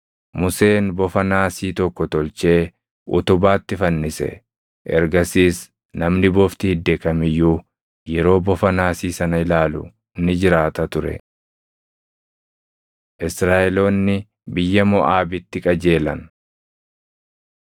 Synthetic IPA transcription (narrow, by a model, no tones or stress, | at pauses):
mʊse̞ːnbɔfɐnaːsiːt̪ɔkːɔt̪ɔlt͡ʃe̞ː | ʔʊ̰t̪ʊbaːt̪ːɪfɐnːɪsɛ̰ | ʔɛɾɡɐsiːs | nɐmnɪbɔft̪ɪhɪd̪ːeːkɐmɪjːu | jɛɾo̞ːbɔfɐnaːsiːsɐnɐɪlaːlʊ̰ | nːɪd͡ʒɪɾaːt̪ɐt̪ʊɾɛ̰ | ʔɪsɾaːɛlo̞ːnːɪ | bɪjːɐmɔʔaːbɪt̪ːɪkʼɐd͡ʒe̞ːlɐn